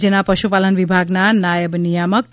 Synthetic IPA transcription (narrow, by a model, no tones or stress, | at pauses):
d͡ʒenapɾʌʃupalənʋibʱaɡnanajəbnijamʌk̚ʈ